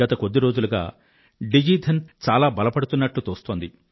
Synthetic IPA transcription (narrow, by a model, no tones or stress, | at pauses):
ɐt̪ɐkod̪ːiɾoːd͡ʒuluɡa̰ː | ɖid͡ʒiːt̪ʰɐnt͡ʃaːlaːbɐlɐpɐɽut̪unːɐʈlut̪oːst̪oːnd̪i